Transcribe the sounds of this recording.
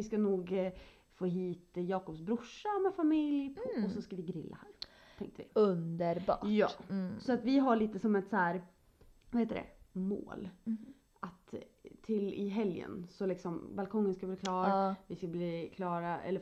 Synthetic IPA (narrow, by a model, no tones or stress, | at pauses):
vɪskanuːɡ | foːɦiːt̪jɑːkɔpsbɾʊʂːamɛfamɪljɔssɔskavɪɡɾɪlːa̰hæːɾ | t̪ʰɛ̰ŋkt̪əvɪ̰ɵnd̪əɾbɑ̰ːjɑ̰ːsɔat̪vɪɦaɭiːt̪əsɔmɛt̪sæːɾ | vaheːt̪əd̪ɛ̰mo̰ːl | at̪tʰːɪlɪ̰ɦɛljə̰nsɔlɪksɔmbalkʰɔŋːənskabliːkʰlɑːɾvɪskabliːkʰlɑːɾaɛ̰lːə